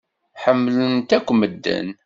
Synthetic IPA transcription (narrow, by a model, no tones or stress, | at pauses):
ħəmːlənt̪ækʷːməd̪ːə̰n